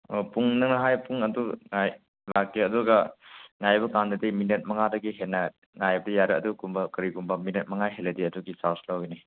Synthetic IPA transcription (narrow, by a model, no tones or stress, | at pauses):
opuŋnɐŋnɐɦajpuŋɐduŋaj | lakːiɐduɡɐŋajbɐkandɐdiminet̚mɐŋadɐɡiɦenːɐ | ŋajbɐdɐjaɾeɐdukumbɐkɐɾiɡumbɐminet̚mɐŋajɦelɐdiɐduɡisawslawini